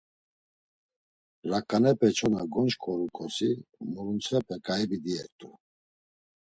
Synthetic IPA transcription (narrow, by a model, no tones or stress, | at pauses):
ɾakʼanɛpʼɛt͡ʃʰɔnaɡɔnt͡ʃkʰʼɔɾukʼɔsimuɾunt͡sʰɛpʰʼɛkʼaɛbid̪iɛɾt̪ʼu